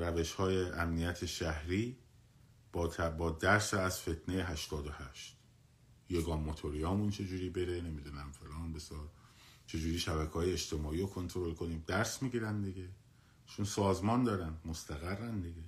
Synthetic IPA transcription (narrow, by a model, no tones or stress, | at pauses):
ɾæve̞ʃhɒːje̞ʔæmnijæt̪ʰeʃæhɾiː | b̥ɒːt̪ʰæbɒːd̪æɾsæzfe̞t̪ʰnejeɦæʃt̪ɒːd̪ohæʃt̪ | jeɡɒːmːot̪ʰoɾijɒːmunt͡ʃʰe̞d͡ʒuːɾiːbe̞ɾene̞mid̪uːnæmfe̞lɒːnbe̞sjɒːɾ | t͡ʃʰe̞d͡ʒuːɾiːʃæbækʰɒːjeet͡ʃt̪ʰe̞mɒːiːɾokʰo̞nt̪ʰoɾo̞lkʰo̞niːmd̪æɾsmiːɡiːɾænd̪eɡe | t͡ʃʰonsɒːzmɒːnd̪ɒːɾænd̪mo̞st̪ʰæɣærːænd̪eɡe